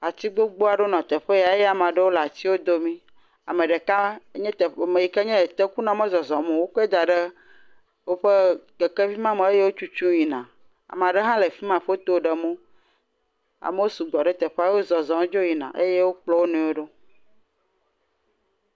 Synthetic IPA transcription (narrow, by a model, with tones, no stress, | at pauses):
a˨t͡ɕ̪i˦ɡ͡bo˦ɡ͡bo˦a˨ɖo˦nɔ̃˨t̪e˨ɸe˦ja˨˦e˦a˨m˨ã˨ɖe˦wo˦la˨t͡ɕi˦wo˦d̪o˦mĩ˦ | a̰˨mẽ˨ɖe˨ka˦ɲɛ̃˦t̪e˨mẽ˨ji˨ke˦ɲɛ̃˦˨t̪e˦ku˦nã˨mɛ̃˦zɔ˨zɔ̃˨mõ˨wo˦ke˦d̪a˨ɖe˦ | wo˦ɸe˦ke˨ke˦vi˦mã˦mẽ˨e˦je˦wo˦t͡ʃu˦t͡ʃũ˦ji˨nã˨ | a̰˨m˨ã˨ɖe˦ɦã˦le˨fi˦mã˨ɸo˦t̪o˦˨ɖə˨mõ˦ | a̰˨me˦wo˦su˨ɡ͡bɔ˨ɖe˦t̪ɛ˨ɸe˦a˦je˦wo˦zɔ˨zɔ̃˨m˦d͡ʒo˦ji˨nã̰˨ʔe˦je˦wo˦k͡plɔ˦wo˦nẽ˨˦wo˦ɖo˦